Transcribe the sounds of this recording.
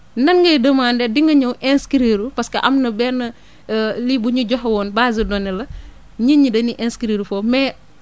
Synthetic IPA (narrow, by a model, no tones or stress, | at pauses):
nɐnŋɡɐjdəmaːndɛdiŋɡɐɲɐwʔɛnskiɾeːɾupɐskɐʔɐmnɐbɛnːɐ | libuɲuɟɔxwɔːnbaːzidɔnɛlɐ | ɲiɲidɐniʔɛnskiɾeːɾufomɛː